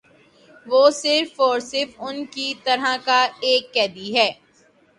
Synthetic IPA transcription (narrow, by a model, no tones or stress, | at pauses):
ʋoːsɪɾfɔːɾsɪɾfʊnkit̪ɐɾɦakaeːkːɛːd̪iɦɛː